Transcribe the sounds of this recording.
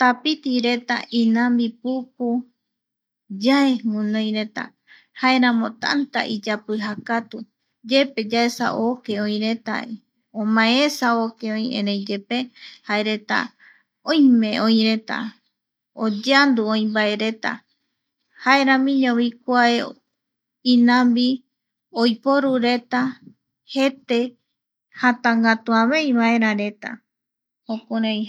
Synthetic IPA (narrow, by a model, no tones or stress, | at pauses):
t̪apit̪iɾe̞t̪a̰ʔĩnãmbipup̚u | d͡ʒaeŋũnõj̃ɾe̞t̪a̰ | hae̞ɾãmõ̞t̪a̰nt̪a̰ʔid͡ʒapɨɦakat̪u | d͡ʒe̞pe̞d͡ʒaesa̰ʔo̞ke̞õĩɾe̞t̪a̰i | õmãesaoke̞õj̃ḛ̃ɾejd͡ʒe̞pe̞haeɾet̪a̰ | õjmẽõj̃ɾe̞t̪a̰ | od͡ʒand̪uõĩmbaeɾe̞t̪a̰ | hae̞ɾãmĩɲõβikʷae | ĩnãmbi | ojpoɾuɾe̞t̪a | he̞t̪e | hãt̪ãŋɡat̪uãβej̃βae̞ɾãɾe̞t̪a̰ | hõkuɾãj̃